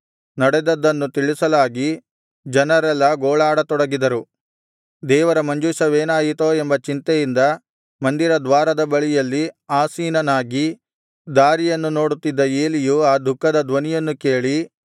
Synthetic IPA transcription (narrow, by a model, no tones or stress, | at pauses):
nɐɽɛd̪ɐd̪ːɐnːut̪iɭisɐlaːɡi | d͡ʒɐnɐɾɛlːɐɡoːɭaːɽɐt̪ɔɽɐɡid̪ɐɾu | d̪ɛːʋɐɾɐmɐɲd͡ʒuʃɐʋeːnaːjit̪oːembɐt͡ʃint̪ɛjind̪ɐ | mɐnd̪iɾɐd̪ʋaːɾɐd̪ɐbɐɭijɐlːiaːsiːnɐnaːɡi | d̪aːɾijɐnːuno̞ːɽut̪ːid̪ːɐeːlijuaːd̪ʱukːɐd̪ɐd̪ʋɐnijɐnːukeːɭi